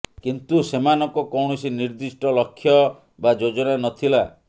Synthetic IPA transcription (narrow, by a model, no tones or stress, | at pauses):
kint̪usemanɔŋkɔkɔwɳ̃ɔsiniɾd̪isʈɔlɔkʰːjɔ | bad͡ʒod͡ʒɔnanɔt̪ʰila